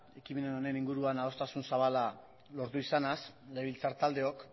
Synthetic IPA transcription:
e̞kime̞neno̞ne̞niŋɡuɾuanao̞st̪asunsaβ̞ala | lo̞ɾt̪uisanas | leβilt͡saɾt̪ald̪e̞o̞k

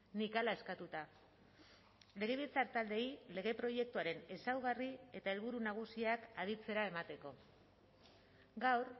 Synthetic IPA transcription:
nikalae̞skat̪ut̪a | le̞ɣ̞e̞β̞it͡saɾt̪ald̪e̞ile̞ɣe̞pɾo̞je̞k̚t̪uaɾe̞ne̞sawɣ̞arie̞t̪ae̞lβ̞uɾunaɣ̞usiakaðit͡se̞ɾae̞mat̪e̞ko̞ | ɡawɾ

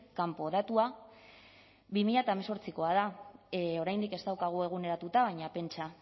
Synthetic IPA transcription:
kampo̞ð̞at̪ua | βimiʎat̪aemeso̞ɾt͡siko̞aða | o̞ɾajnd̪ike̞st̪awkaɣ̞ue̞ɣ̞une̞ɾat̪ut̪aβ̞ajɲape̞nt͡ʃa

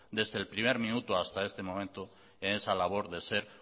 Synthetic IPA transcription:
d̪ezðelpɾimeɾmĩnut̪oast̪aest̪emõmẽnt̪o | enesalaβ̞oɾðeseɾ

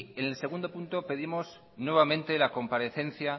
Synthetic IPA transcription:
enelse̞ɣ̞und̪o̞punt̪o̞pe̞ðimo̞s | nwe̞β̞amẽnt̪e̞lako̞mpaɾe̞θẽ̞nθja

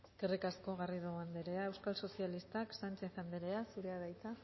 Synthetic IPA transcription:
eske̞rikasko̞ɣariðoand̪eɾe̞ae̞wskalso̞sialist̪aksant͡ʃe̞θand̪eɾeasuɾe̞aðajt͡sa

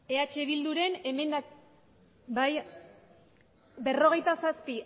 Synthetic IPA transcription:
e̞at͡ʃe̞βild̪uɾe̞ne̞me̞nd̪a | baj | be̞ro̞ɣ̞e̞jt̪asaspi

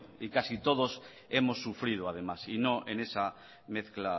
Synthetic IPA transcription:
ikasit̪o̞ð̞o̞s | e̞mo̞sːufɾið̞oað̞e̞masino̞ʔene̞sa | me̞θkla

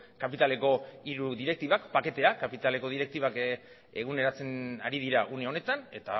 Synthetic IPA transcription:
kapit̪ale̞ko̞iɾuðiɾe̞k̚t̪iβakpake̞t̪e̞akapit̪aleko̞ðiɾe̞k̚t̪iβak | eɣ̞une̞ɾat͡se̞na̰ɾið̞iɾaʔuneo̞ne̞t̪ane̞t̪a̰

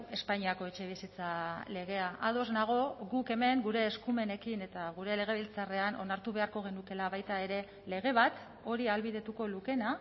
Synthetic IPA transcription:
e̞spaɲiako̞e̞t͡ʃe̞β̞isit͡sale̞ɣ̞e̞aʔaðo̞znaɣ̞o̞ɣuke̞me̞ŋɡuɾe̞ːskume̞ne̞kine̞t̪aɣ̞uɾe̞le̞ɣ̞e̞β̞ilt͡sare̞ano̞̰naɾt̪uβ̞e̞aɾko̞ɣ̞e̞nuke̞laβajt̪ae̞ɾe̞ | le̞ɣe̞β̞at̪ | o̞ɾialβiðe̞t̪uko̞luke̞na

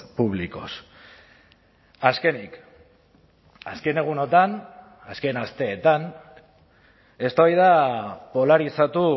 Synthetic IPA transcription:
puβ̞liko̞s | aske̞nik | aske̞ne̞ɣ̞uno̞t̪an | aske̞nast̪e̞ːt̪an | e̞st̪aβajð̞apo̞laɾisat̪u

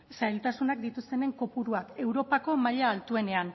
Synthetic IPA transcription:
sajlt̪asunak̚d̪it̪ust̪e̞ne̞ŋko̞puɾuake̞wɾo̞pako̞maʎaːlt̪ue̞ne̞an

